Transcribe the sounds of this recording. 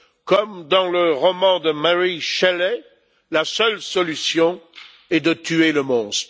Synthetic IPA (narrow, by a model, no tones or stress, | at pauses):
kɔmd̪ɑ̃ləʁɔmɑ̃d̪əmaʁiʃɛlɛ | lasœlsɔlysjɔ̃ | ɛd̪ət̪yeləmɔ̃s